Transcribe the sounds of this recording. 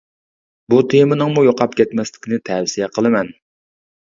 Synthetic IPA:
but̪ʰemɪnɨŋmujoqʰɑpkʲʰɛt̪mɛslɪ̥kʲinɪt̪ʰɛwsijɛqʰəlˠɨmɛn

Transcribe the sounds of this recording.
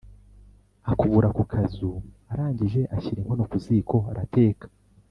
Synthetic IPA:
akuβuɾakukʰazuaɾaːɲɟiʒe̞ʔaçiɾimho̞nokuziːko̞aɾate̞ːkḁ

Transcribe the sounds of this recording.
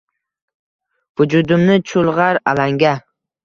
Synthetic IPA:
v̥ʊd͡ʒʊd̪ʊmnɪt͡ʃʰʊlˠʁɑɾalaŋɡʲa

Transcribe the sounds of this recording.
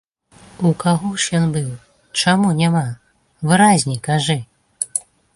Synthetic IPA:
ukaɣɔʂjɔnbɨw | t͡ʂamunʲama | vɨɾazʲnʲikaʐɨ

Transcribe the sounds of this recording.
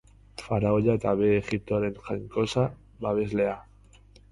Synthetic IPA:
faɾaoʎat̪aβeːxip̚t̪oaɾenxaŋkosa | baβezlea

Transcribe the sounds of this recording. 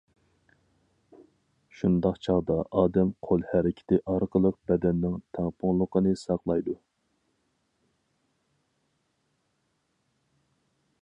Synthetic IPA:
ʃund̪ɑqt͡ʃʰɑʁd̪ɑʔɑːd̪ɛmqʰolˠhæɾɪkʲʰɪ̥t̪ɪʔɑɾqəlˠəq̚bɛd̪ɛnːɪŋt̪ʰæŋpʰʊŋlˠəqənɨsɑqlˠɑjd̪u

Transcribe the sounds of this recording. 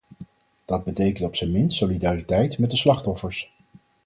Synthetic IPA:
d̥ɑd̚bətejkəntɔpsəmɪntsolidaːritɛjtmɛt̚dəslɑχtɔfəɹs

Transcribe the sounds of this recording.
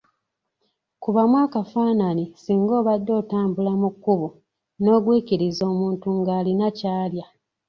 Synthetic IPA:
kuβamwaːkafaːnanisiːŋɡo̞ːβadːo̞ːtaːmbulamukːuβu | no̞ːɡwiːciɾizo̞ːmuːntuŋɡaːlinacaːlja

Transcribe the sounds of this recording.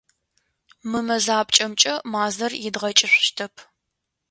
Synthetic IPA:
mɨmɐzaːpʼt͡ʃʼɐmt͡ʃʼɐmaːzɐrjɪdʁɐt͡ʃʼɪɕʷʃtʰɐpʰ

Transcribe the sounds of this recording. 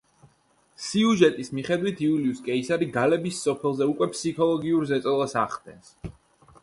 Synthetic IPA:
siuʒɛt̪ʼismiχɛd̪wit̪ʰiuliuskʼɛisaɾiɡalɛbisɔpʰɛlˠzɛukʼwɛpsikʰɔlˠɔɡiuɾzɛt̪sʼɔlˠasa̰χd̪ɛ̰ns

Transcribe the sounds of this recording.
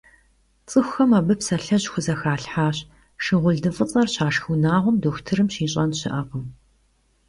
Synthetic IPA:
t͡sʼɨxʷɐmɐbɨpsɐɬɐʑxʷʊzɐxaːɬħaːɕ | ʃɪʁʷʊɮdɨfʼɨqʼɐrɕaːʃxunaːʁʷʊmdoːxʷtʰɨɾɨmɕiːɕʼɐnɕɪʔɐqəm

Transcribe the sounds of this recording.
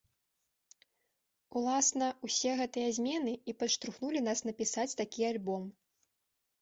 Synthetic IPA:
ulˠasnɐusʲɛɣɛt̪ɨjɐzʲmʲɛnɨipɐʂt̪ɾuxnulʲin̪asnɐpʲisat͡sʲt̪akʲialʲbɔm

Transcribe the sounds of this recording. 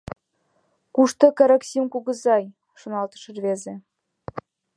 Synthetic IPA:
kuʃt̪ɤ̆kɑɾɑksʲimkuɣɤ̆zɑj | ʃŏnɑlt̪ə̥̆ʃɤ̆rβeze

